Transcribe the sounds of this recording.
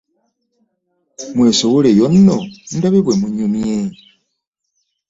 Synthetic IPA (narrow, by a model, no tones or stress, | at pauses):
mwesowulejonːondaβeβwemuɲumje